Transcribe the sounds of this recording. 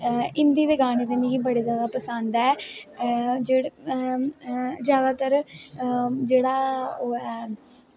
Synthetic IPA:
ɪnd̪iːd̪eːɡaːɽeːt̪eːnĩːkiːbəɽeːzjaːd̪aːpəsə̃nd̪ɛː | d͡ʒeːɽ | zjaːd̪aːt̪əɾ | d͡ʒeːɽaːoɛ

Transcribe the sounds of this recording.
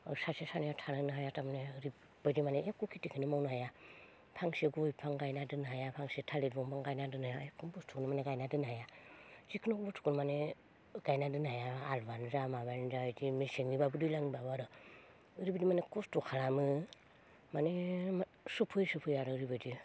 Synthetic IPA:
asasesanijatʰanɯnɯɦajatamneɾi | badimaneekukʰitikʰinimawnɦaja | pʰaŋseɡojpʰaŋɡajnadɯnɦajapʰaŋsietʰaled̚bɔŋpʰaŋɡajnadɯnajaekʰunbɔstʰuknimaneɡajnadɯnɦajazikʰɯnokbɔstʰu̥kunmane | ɡ̥ajnadɯnajaːlbanzamaβanzajd͡ʒimiseŋnibabɯdujlaŋibaβaɾɯ | ɯɾibədimanekostukʰalamɯ | mane | supʰɯjsɯpʰɯjaɾɯɾibadi

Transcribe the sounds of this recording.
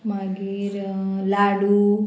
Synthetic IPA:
maɡiɾ | laɽu

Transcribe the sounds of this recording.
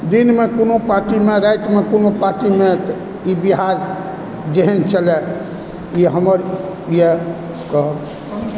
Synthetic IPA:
d̪inmekonopaɾʈimeɾajʈmekonopaɾʈime | ibiɦaɾ | d͡ʒeɦɛnt͡ʃʰəlɛ | iɦəməɾije | kə

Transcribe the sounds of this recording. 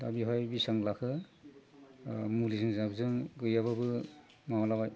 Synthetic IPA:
dabiɦɔjbisaŋlakʰɯ | mulizɯŋzaɡzɯŋɡɯjaβabɯ | mawalabaj

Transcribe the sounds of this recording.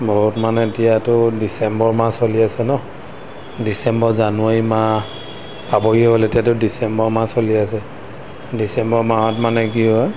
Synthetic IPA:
bɔɦutmanɛtijatʊdisɛmbɔɹmasoliasɛnɔ | disɛmbɔzanʊama | pabɔɡiɦoletijatʊdisɛmbɔɹmasoliasɛ | disɛmbɔɹmaɦɔtmanɛkiɔa

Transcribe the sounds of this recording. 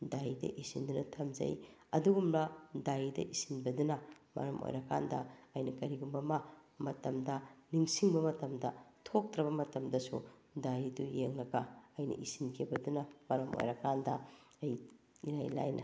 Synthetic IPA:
dajdɐ̰ʔisindunɐtʰɐmzɐ̰j | ɐduɡumbɐdajidɐ̰ʔisinbɐdunɐmɐ̰ɾɐmʔo̰jɾɐkandɐɐjnɐkɐɾiɡumbɐmɐmɐtɐmdɐniŋsiŋbɐmɐtɐmdɐtʰok̚tɾɐβɐmɐtɐmdɐsṵdajidujeŋlɐɡɐɐjnɐ̰ʔisinkʰibɐdunɐmɐɾɐmo̰jɾɐkandɐ | ɐj | iɾajla̰jnʔɐ̰

